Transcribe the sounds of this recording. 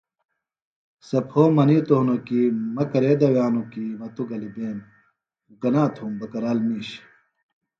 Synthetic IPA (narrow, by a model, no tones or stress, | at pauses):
sɐpʰoːmɐnit̪oɦnokimɐkɐɾeːd̪ɐwjaːnukimɐt̪uɡɐlibeːm | ɡɐnaːt̪ʰumbɐkɐɾaːlmiːɕ